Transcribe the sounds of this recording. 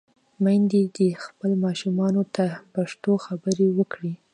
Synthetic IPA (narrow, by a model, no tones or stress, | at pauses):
majnd̪ed̪əxpəlmɑʃumɑnot̪apaʂt̪oxabəɾewəkɽi